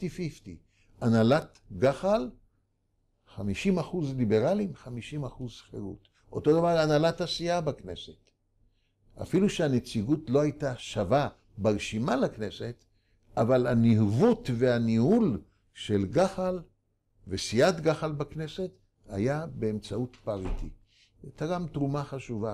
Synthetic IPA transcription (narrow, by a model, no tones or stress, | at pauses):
tifift̪i | ʔanalat̪ | ɡaχal | χamiʃimaχuzlibe̞ʁalimχamiʃimaχuzχḛʁṵt | ʔo̞̰t̪o̞d̪avaʁanalat̪asiabakne̞se̞t̪ | a̰filuʃeane̞t͡siɡutlo̞ajtaʃava | baʁʃimalakne̞se̞t | avalanihvutve̞anihul | ʃelɡaχal | vesiat̪ɡaχalbakne̞se̞t̪ | ha̰jabeːmt͡sautpaʁit̪ḭ | at̪aɡamt̪ʁumaχaʃuva